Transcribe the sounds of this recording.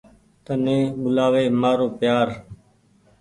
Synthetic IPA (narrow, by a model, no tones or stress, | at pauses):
t̪ənẽːɓʊlaːʋeːmaːɾoːpjaːɾ